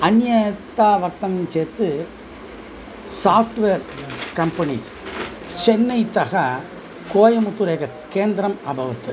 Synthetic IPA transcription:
ɐnjɐt̪ːaːʋɐk̚t̪ɐmt͡ʃeːt̪ːɯ | saːfʈʋeːɾkɐmpɐnḭs | t͡ʃɛnːɐɪt̪ɐɣɐ | koːjɐmʊt̪ːɯɾeːɣɐ | keːnd̪ɪɾɐmɐbʱɐʋɐt̪ːɯ

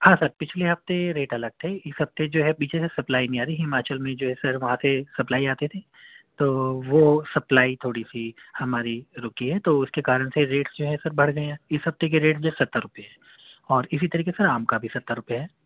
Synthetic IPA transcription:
hãːsɐɾpɪt͡ʃʰleɦɐft̪eɾeːʈɐləɡ̚t̪ʰeɪsɦɐft̪ed͡ʒoːɦɛbiːt͡ʃʰesesɐplaːinɐĩaːɾiɦɪmaːt͡ʃəlmẽd͡ʒoːɦɛsɐɾʋɐɦãsesɐplaːiaːt̪et̪ʰe | t̪oːʋosɐplaːit̪ʰoːɽisihɐmaːɾiɾʊkiɦɛt̪oʊskekaːɾəɽ̃seɾeːʈsd͡ʒoːɦɛsɐɾbʱɐɽ̤ɡɐeãːɪsɦɐft̪ek̬eɾeːʈsd͡ʒoːɦɛsɐt̪ːəɾʊpijeɦɛː | ɔːɾɪsit̪ɐɾiːkesɐɾaːmkabʱisɐt̪ːəɾʊpjaɦɛː

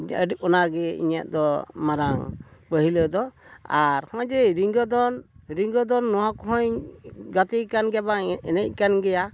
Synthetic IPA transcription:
ə̰ɖik̚ɔnaɾɡɛḭɲaʔd̪ɔmaɾaŋbəɦiləd̪ɔaɾhɔ̃d͡ʒɛɾiŋɡɔd̪ɔnɾiŋɡɔd̪ɔnːɔwakɔɦɔ̃ɲɡat̪ikanɡɛbaŋɛnɛc̚ˀkanɡɛja

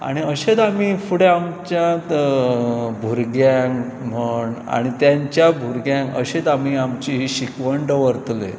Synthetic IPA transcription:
a̰ɽ̃iəɕet̪amiːfuɽeamt͡ɕjã | bʱuɾɡjaŋm̤əɳa̰ɽ̃it̪jaɲt͡ɕjabʱuɾɡjãŋkə̰ɕet̪am̤iːamt͡ɕiɦiːɕikʋəɳɖəʋəɾt̪lḛ

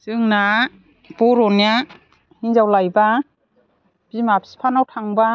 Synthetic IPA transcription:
sɯŋna | b̥ɔɾɔnja | hinzawlajba | b̥imapʰi̥spʰanawtʰaŋba

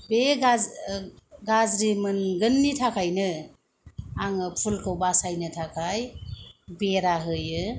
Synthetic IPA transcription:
beɡa | ɡazɾimɯnɡɯnːitʰakʰajnɯ | aŋɯpʰulkʰɯwbasajnɯtʰakʰaj | beɾaɦɯjɯ

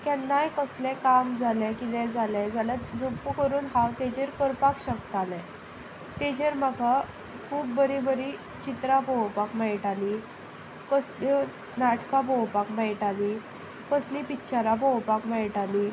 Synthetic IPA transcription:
kɛnːajkəslɛ̃kamd͡zʱalɛkit̪ɛd͡zalɛd͡zalad͡zopukəɾuːnɦawt̪ed͡ʑeɾkəɾpakɕəkt̪alɛ̃ | t̪ed͡ʑeɾməɡa | kʰuːbːəɾibəɾi | t͡ɕit̪ɾabʱowpakmɛɭʈali | kəslo | naʈkabʱowpakmɛɭʈali | kəslipitːɕaɾabʱowpakmɛɭʈali

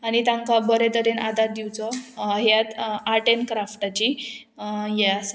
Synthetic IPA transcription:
aɽit̪ãŋkabəɾet̪əɾenad̪ʱaɾd̪iwt͡sɔɦjat̪aʈenkɾafʈat͡ɕi | jas

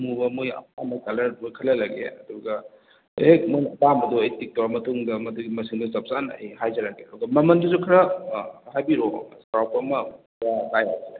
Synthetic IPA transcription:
mubɐmojɐ̰p̚amɐkɐlɐɾmojkʰɐlɐlɐɡeɐ̰duɡɐ | emojnɐpamɐduejtik̚tawamɐtuŋdɐmɐduɡimɐsiŋdusɐp̚zanɐejɦajzɐɾaɡeɐduɡɐmɐmɐnduzukʰɐɾɐɦajbiɾoskɾawpɐmɐkʰɾalajaze

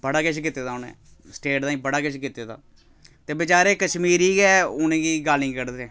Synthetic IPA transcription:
bəɽaːkɪʃkɪt̪ːeːd̪aːʊnḛ̃ː | sʈeːʈd̪aːĩːbəɽaːkɪʃkɪt̪eːt̪a̰ː | t̪eːbɪt͡ʃaːɾeːkəʃmiːɾiːɡɛːʊnẽːɡiːɡaːlnĩːkəɾd̪ɛ̃ː

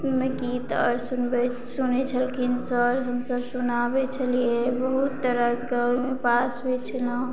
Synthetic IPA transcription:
mẽkit̪ə̰ɾsunbe | sunet͡ʃʰəlkʰinsɔɾɦəmsəbsunabet͡ʃʰəliebəɦut̪ːəɾəɡəwmepasɦojt͡ʃʰəlãũ

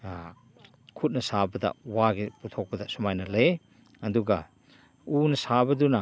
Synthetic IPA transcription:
kʰut̚nɐsabɐdɐ̰waɡiputʰok̚bɐdasumajnɐle | ɐduɡa | unɐsabɐdunɐ

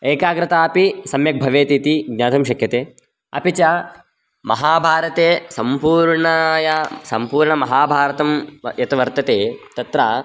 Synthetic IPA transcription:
eːkaːɡɾɪt̪aːɐpisɐmjɐk̚bʱɐʋeːt̪it̪iɡ̚ɲaːt̪ʰɐmʃɐkʰjɐt̪eː | ɐ̰pit͡ʃa | mɐɦaːbʱaːɾɐt̪eːsɐmpuːɾɳɐjɐsɐmpuːɾɳɐmɐɦaːbʱaːɾɐt̪ɐmjɐt̪ɐʋɐɾt̪ɐt̪eːt̪ɐt̪ɾaː

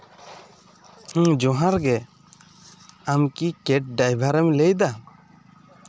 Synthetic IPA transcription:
hd͡ʒɔɦaɾɡɛ | amkikɛʈ̚ɖajbʱaɾɛmlɛjd̪a

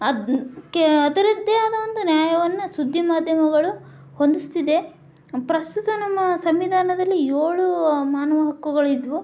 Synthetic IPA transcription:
ɐkɐd̪ɐɾid̪ːeɐd̪ɐʋond̪unjaːjɐʋɐnːɐsud̪ʱːimaːd̪ʱjɐmɐɡɐɭu | hond̪ist̪id̪e̞ | pɾɐst̪ut̪unɐmːɐsɐmʋid̪ʱaːnɐd̪ɐlːijoːɭumaːnɐʋɐɦɐkːuɡɐɭid̪ʋu

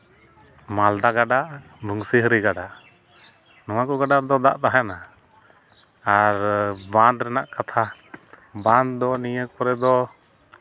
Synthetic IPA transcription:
mald̪aɡaɖaʔ | bʱuŋsiɦəɾiɡaɖaʔ | nɔwakɔɡaɖaɾd̪ɔd̪a̰ʔt̪aɦana | aɾbãnd̪ɾɛnaʔkat̪ʰa | bãnd̪ɔnijəpɔɾɛd̪ɔ

